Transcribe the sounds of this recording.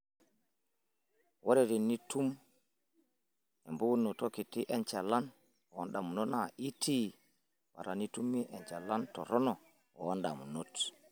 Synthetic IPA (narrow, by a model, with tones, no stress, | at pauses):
wɔ˦ɾɛɾi˨nːi˦tum | ɛ˨mbu˦unːɔ˨toki˨ti˦ʔɛnt͡ʃa˨la˦n | ɔ˨wɔnɗa˨mu˨nɔ˦naʔi˦ti˦ | wa̰˨ɾani˦tumːiʔɛnt͡ʃa˨la˦ntɔ̰˨ɾɔ˦nɔ˨ | ɔ˨wanɗa̰˨mu˨not